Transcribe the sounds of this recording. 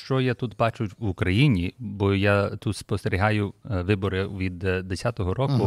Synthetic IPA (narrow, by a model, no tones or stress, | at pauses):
ʃt͡ʃɔjat̪ut̪bɑt͡ʃʊtʲʋʊkɾɐjinʲibɔjat̪ut̪spɔst̪eɾʲiɦɑjʊʋɪbɔɾɪʋʲid̪d̪ːesʲat̪ɔɦɔɾɔkʊ